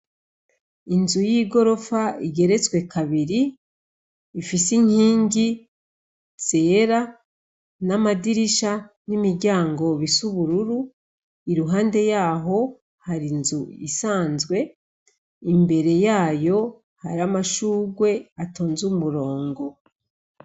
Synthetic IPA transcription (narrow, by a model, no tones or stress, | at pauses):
inzujiːɡo̞ɾo̞faiɡe̞ɾe̞t͡sɡwe̞kʰaβiɾi | fisiŋ̥iːŋɡi | t͡seːɾa | namadiɾiʃa | nimiɾɟaːŋɡo̞βisuβuɾuɾu | iɾuɦaːnde̞jaːɦo̞ | haɾinzuḭsaːnzɡwe̞ | imbe̞ɾe̞jaːjo̞ | haɾamaʃuːɡwe̞atoːnzumuɾo̞ːŋɡo̞